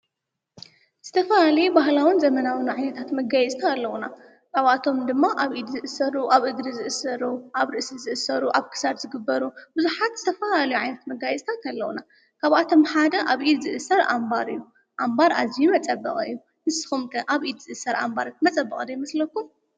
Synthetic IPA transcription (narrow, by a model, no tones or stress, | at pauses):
z̥ɨt̪ʰɐfɐlalɐjubaɦlawɨnzɐmɐnawɨnʕajnɐt̪ʰat̪mɐɡajɛzʼt̪ʰaːlːɐwuna | kaβat̪ʰo̞md̪ɨmːaʔaβʔid̪zɨʔɨsɐɾuʔaβʔɨɡɾizɨʔɨsɐɾuʔaβɾɨʔsizɨʔɨsɐɾuʔaβkʰɨ̥sad̪zɨɡɨbːɐɾubɨzuħat̪z̥ɨt̪ʰɐfɐlalɐjuʕajnɐt̪mɐɡajɛzʼt̪ʰat̪ʰalːɐwuna | kʰaβʔat̪ʰo̞mħad̪ɐʔaβʔid̪zɨʔɨsɐɾʔa̰mbaɾɨ̰jːu | ʔambaɾazijumɐt͡sʼɐbɐ̰qʼɨ̰jːu | nɨsɨ̥xumt̪ʰɐʔaβʔid̪z̥ɨʔɨsɐɾa̰mbaɾat̪mɐt͡sʼɐbːɐχʼd̪ɐjmɐslɐkːum